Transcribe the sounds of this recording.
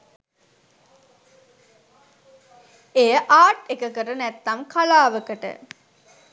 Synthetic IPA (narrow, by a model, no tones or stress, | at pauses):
ejəʔaːʈekəkəɾənæt̪ːɐmkalaːʋəkəʈə̰